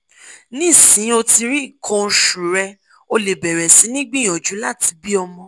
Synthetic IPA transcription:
nĩ˦˨sĩ˨˦o˧ti˧ɾi˦i˦˨kʰɔ̃˧˦ʃũ˨ɾɛ˧ | o˧le˨bɛ˨ɾɛ˨si˨˦nĩ˦ɡ͡bĩ˦˨j̃ɔ̃˨d͡ʒu˨˦la˦˨ti˧bi˦ɔ˧mɔ̃˧

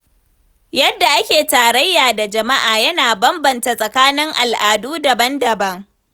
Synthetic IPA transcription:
jɐ˦dːa˨ʔa˦kʲeː˨taː˨ɽɐ˦jːaː˨da˨d͡ʒɐ˨ma˦ʔaː˨jɐ˦naː˨bɐ˦mbɐ˨nta˨sʼɐ˨kaː˦nɪ˦ŋʔa˨lʔaː˨duː˦dɐ˨bɐ˦ndɐ˨bɐ˦ŋ

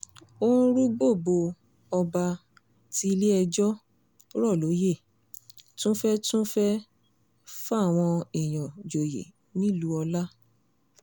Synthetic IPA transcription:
õ˦ɾu˦ɡ͡bo˦˨bo˧ | ɔ˧ba˧ | ti˦˧le˦ɛ˧d͡ʒɔ˦ | ɾɔ˦˨lo˨˦je˦˨ | tũ˦fɛ˦tũ˦fɛ˦ | fa˦˨w̃ɔ̃˧i˨j̃ɔ̃˨d͡ʒo˨jḛ˨ | nĩ˦lu˨˦ɔ˧la˦

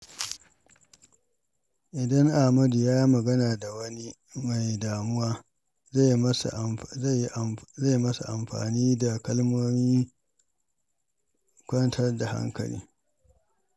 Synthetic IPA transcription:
ʔɪ˨dɐ˦ŋʔa˨hmɐ˦du˨jaː˦ji˦mɐ˨ɡɐ˦naː˨da˨wɐ˦ni˦ | ma˨jdaː˨mʊ˦waː˦ | za˦˨jsza˦˨jːi˦ʔza˦˨jmɐ˦sa̰˨ʔa˨mɸa̰ː˨niː˦da˨kɐ˦lmoː˦miː˦ | kʷɐ˦ntʰɐ˦rda˨ha̰˦ŋkɐ̰˨lḭː˦

